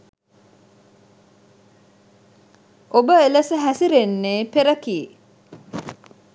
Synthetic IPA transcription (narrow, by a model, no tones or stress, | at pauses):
ʔobəeləsəɦæsiɾenːeːpeɾəkiː